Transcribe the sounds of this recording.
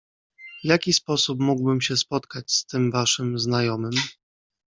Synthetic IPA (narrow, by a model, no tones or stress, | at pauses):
vjakʲispɔsup̬muɡwbɘmɕɛspɔt̪kat͡ɕst̪ɘmvaʂɘmznajɔmɘm